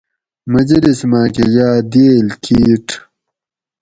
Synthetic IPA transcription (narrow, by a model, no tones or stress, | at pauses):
mɐd͡ʑɐlismaːkejaːd̪eːlkʰiːʈʰ